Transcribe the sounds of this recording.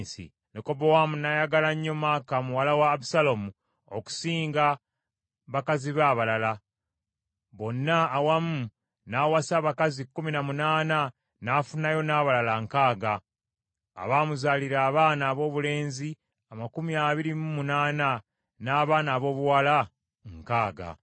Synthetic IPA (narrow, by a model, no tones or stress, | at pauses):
sḭ | neko̞bowamunajaɡalaɲːo̞maːkamuwalawaːbusalomu | oku̥siːŋɡa | βakaziβaːβalala | βo̞nːaːwamu | nawasaβakazikːuminamunaːna | nafunajo̞naːβalalaŋkaːɡa̰ː | βaːmuzaːliɾaːβaːnaːβo̞ːβule̞ːnzi | amakumiaːβiɾimumunaːna | naːβaːnaːβo̞ːβuwala | ŋkaːɡa̰